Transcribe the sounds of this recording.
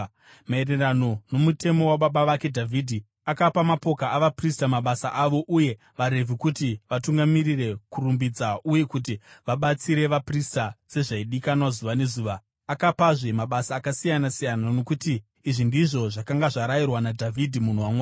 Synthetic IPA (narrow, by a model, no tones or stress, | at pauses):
maere̞rano̞no̞mute̞mo̞waɓaɓaʋake̞dʱavidʱi | akapamapo̞kaʔaʋapristamaɓasa̰ʔaʋo̞ʔuje̞ | ʋaɾe̞vʱikutiʋatuŋɡamirire̞kurumbid͡zaʔuje̞kutiʋaɓat͡siɾe̞ʋapristat͡se̞ʐaiɗikanwazuʋane̞zuːʋaː | kapaʐemaɓasaːkasijanasijanano̞kutiː | ʐindiʐo̞ʐakaŋɡaʐaɾajirwanadʱavʱidʱimun̤uwamwaː